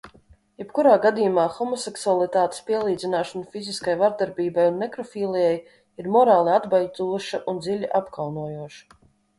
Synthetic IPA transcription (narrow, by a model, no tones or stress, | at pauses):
jɛpkuɾaːɡad̪ijumaːxɔmɔseksualˠit̪aːt̪e̥spiɛlˠiːd̪zinaːʃɔnfiziskajvaɾd̪aɾbiːbajunmɛkɾɔfiːlˠijɛj | iɾmɔɾaːlˠiad̪baj̪uɔʃaʔund̪zilʲiʔapkawnuɔjuɔʃḁ